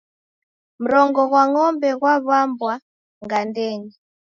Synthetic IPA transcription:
m̩ɾɔŋɡɔɣwaŋɔmbɛɣwaβambwa | ŋɡandɛːŋi

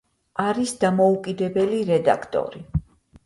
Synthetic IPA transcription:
aɾisd̪amɔukʼid̪ɛbɛliɾɛd̪a̰kʰt̪ʼɔ̰ɾi

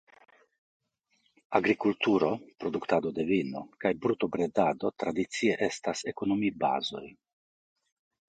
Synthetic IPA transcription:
aɡɾikult̪uɾo̞pɾo̞d̪ukt̪ad̪o̞d̪e̞vino̞̰kajbɾut̪o̞bɾed̪ad̪o̞t̪ɾad̪itt͡sie̞ʔe̞stase̞ko̞no̞miba̰zo̞̰j

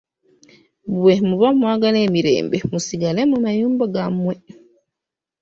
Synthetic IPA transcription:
buwɛmubɔmuaɡalɛmiɾɛ̰ːmbɛmusiɡalɛmɔmajumbaɡamuɛ

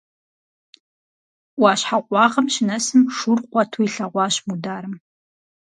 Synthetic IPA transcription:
waːɕħaqʷʼɑːʁɐmʃɪnɐsɨmʂurqʷɔtʰuiɬɐʁʷɑːɕmudaːɾɨm

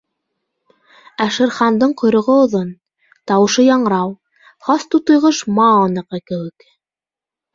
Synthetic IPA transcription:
æʃɘ̆ɾχɑnd̪ɤɴqŏjɾŏʁɤŏðon | t̪ɑwɤ̆ʃɤjɑɴɤ̆ɾɑw | χɑst̪ut̪ŏjʁɤʃmɑɑnɤ̆qɤkɘ̆wɘk

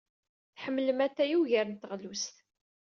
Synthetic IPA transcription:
θħəmːləmæθæjuʝəɾənt̪ːəʁlust̪

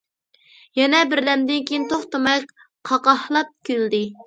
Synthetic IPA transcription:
jɛnɛbɪɾlɛmd̪ɪnkʲʰijint̪ʰoχt̪ɑmɛk̚ʲ | qʰɑqɑhlˠɑp̚kʲʰøld̪ɪ

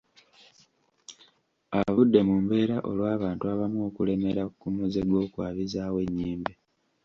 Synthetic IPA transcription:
aβudːe̞muːmbe̞ːɾaʔo̞̰lwaːβaːntuaβamokule̞me̞ɾakumuzeɡo̞ːkwaːβizaːwe̞ɲːeːmbe

